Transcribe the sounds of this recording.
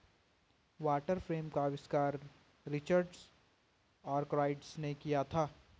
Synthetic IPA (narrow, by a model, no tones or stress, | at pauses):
ʋaːʈəɾfɾeːmkaɐʋɪskaːɾː | ɪt͡ʃəɾɖs | aːɾkɾaːɪɖsnekijat̪ʰaː